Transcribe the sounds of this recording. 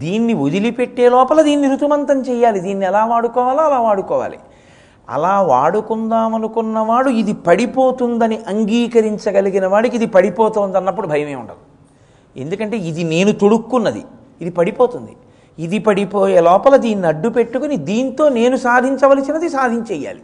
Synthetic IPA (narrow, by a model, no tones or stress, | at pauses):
d̪iːnːiud̪ilipe̞ʈːeːlɔːpɐlɐd̪iːnːiɾut̪umɐnt̪ɐmt͡ʃɛjaːlid̪iːnːiɛlaːʋaːɽukɔːʋaːloːɐlaːʋaːɽukɔːʋa̰ːlḭ | ɐ̰laːʋa̰ːɽukund̪aːmɐnukunːɐʋaːɽuid̪ipɐɽipo̞ːt̪und̪ɐniʔɐŋɡiːkɐɾiɲt͡ʃɐɡɐliɡinɐʋaːɽik̬id̪ipɐɽipɔːt̪oːnd̪ɐnːɐp̬ːuɽubʱɐjɐme̞ːṵɳʈɐ̰d̪i | e̞̰nd̪ukɐɳʈe̞ːid̪ine̞ːnut̪o̞ɽukːunːɐd̪ḭː | d̪ipɐɽipo̞ːt̪und̪i | id̪ipɐɽipoːjeːlɔːpɐlɐd̪iːnːiɐɖːupe̞ʈːukunid̪iːnt̪o̞ːne̞ːnusaːd̪ʱiɲt͡ʃɐʋɐlisinɐd̪isaːd̪ʱiɲt͡ʃɛːjːa̰ːli